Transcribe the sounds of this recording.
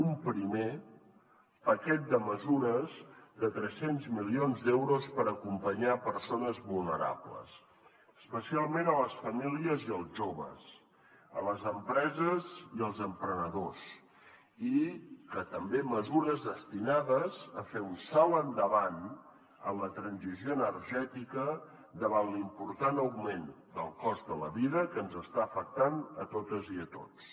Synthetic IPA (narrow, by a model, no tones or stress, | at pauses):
umpɾime | pəkɛt̪̚d̪əməzuɾəzd̪ət̪ɾɛsenzmilionzd̪ɛwɾospəɾəkumpəɲapəɾsonəzβulˠnəɾa̰blə̰s | əspəsialˠmenələsfəmiliəziəlˠʒoβə̰s | ə̰ləzəmpɾɛzəziəlˠzəmpɾənəðos | ikət̪əmbeməzuɾəzðəst̪inaðəzəfeunsalˠənd̪əβan | ə̰mlət̪ɾənzizjoənərʒɛt̪ikə | d̪əβanlimpuɾt̪anəwmen | d̪əlˠkɔzðələβiðəkənzəst̪aəfək̚t̪anət̪ot̪əziət̪o̰t͡s